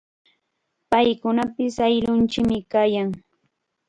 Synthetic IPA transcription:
pajkʊnapɪsajlʊnt͡ʃɪkmɪkaːjaŋ

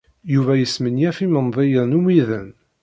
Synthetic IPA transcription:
juvæjəsmənjæfimənðˤejənumiðən

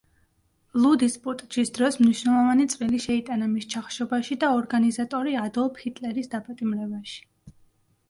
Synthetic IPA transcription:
lˠud̪ispʼut̪ʼd͡ʒisd̪ɾɔsmniʃnɛlˠɔvanit̪sʼvʼiliʃɛit̪ʼanamist͡ʃʰaχʃɔbaʃid̪aɔɾɡanizat̪ʼɔɾiad̪ɔlˠphit̪ʼlɛɾisd̪apʼat̪ʼimɾɛbaʃi̥

